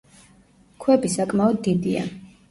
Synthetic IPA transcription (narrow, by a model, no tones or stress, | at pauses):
kʰwɛbisakʼmaɔd̪ːid̪ia̰